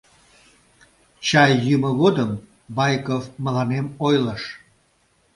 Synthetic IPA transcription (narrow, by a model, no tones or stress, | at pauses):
t͡ɕɑjːyməɣod̪əm | bɑjkovməlɑnemojləʃ